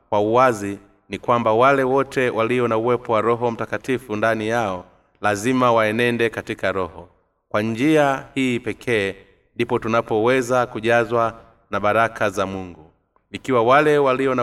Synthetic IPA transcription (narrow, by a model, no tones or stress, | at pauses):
kwauazi | nikwambawalɛwɔtʰɛwʔaliɔnauwɛpɔwaɾɔɦɔm̩takatifundanijaɔ | lazimawaɛnɛndɛkatikaɾɔhɔ | kwand͡ʒiahiːpɛkʰɛː | ndipɔtunapɔwɛzakuʄazwa | naɓaɾakʰazamuŋɡu | ikiwawalɛwaliɔna